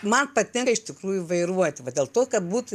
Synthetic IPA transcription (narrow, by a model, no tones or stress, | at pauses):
mɐnpɐt̪ʲɛŋɐɪʃʲt̪ʲɪkɾuːjʊʋɐɪɾuɔt̪ʲɪʋɐd̪ʲeɛlˠt̪oːkɐtbuːt̪ʊ